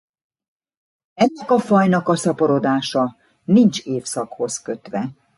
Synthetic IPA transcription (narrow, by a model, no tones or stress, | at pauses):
ɛnːɛkɒfɒjnɒkɒsɒpoɾo̞d̪aːʃɒ | nint͡ʃeːfsɒkho̞skø̞t̪ʋɛ